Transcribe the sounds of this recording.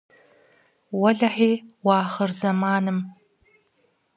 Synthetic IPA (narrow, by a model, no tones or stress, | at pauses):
wɐɮɐħiːwɑːχɐrzɐmaːnɨm